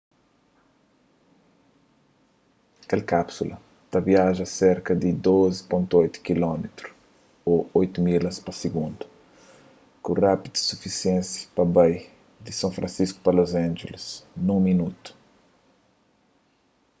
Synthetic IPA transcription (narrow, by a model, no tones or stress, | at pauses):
kɛlkapsulɐ̰ | t̪aviaʒɐseɾkɐd̪ɪd̪ozi̥põnt̪uojt̪u̥kilɔmet̪ɾʊ | oojt̪umilɐspɐsiɡũnd̪u̥ | kũrapid̪u̥sufisiɛ̃nsḁpɐbaj | d̪ɪsɐ̃fɾɐ̃nsisku̥pɐlozãnʒelɪsnũminut̪u̥